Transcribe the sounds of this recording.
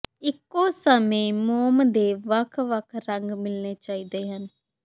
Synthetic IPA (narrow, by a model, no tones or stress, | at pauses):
ɪkːoːsəmẽːmoːmd̪eːʋəkʰʋəkʰɾəŋɡmɪlneːt͡ʃaːiːd̪eːɦən